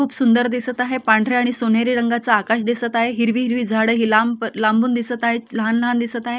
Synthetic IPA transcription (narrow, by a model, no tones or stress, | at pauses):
uːpsund̪əɾd̪isət̪aɦepãɳɖʱɾeaɽ̃isonjaɾiɾəŋɡat͡saːkaɕd̪isət̪aɦeɦiɾʋiːɦiɾʋiːd͡zʱaɽəɦilamlambuːnd̪isət̪aɦeləɦanləɦand̪isət̪aɦe